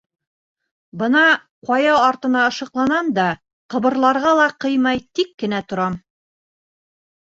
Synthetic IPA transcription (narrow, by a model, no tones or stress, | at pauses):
bɤ̆nɑ | qɑjɑɑɾt̪ɤ̆nɑɤ̆ʃɤ̆qlˠɑnɑnd̪ɑ | qɤ̆βɤ̆ɾlˠɑɾʁɑlˠɑqɤjmɑjt̪ikːɘ̆næt̪ŏɾɑm